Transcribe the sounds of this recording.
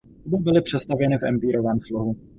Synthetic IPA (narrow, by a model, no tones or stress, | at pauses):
bobɪlɪpr̝̥ɛst̪avjɛnɪfʔɛ̰mpiːɾovɛːmfloɦu